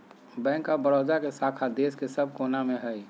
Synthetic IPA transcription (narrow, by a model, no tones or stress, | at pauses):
bɛ̃ːŋkːabəɾoːd̪akesaːkʰad̪eːskesəb̚ʱkoːnamẽɦɛi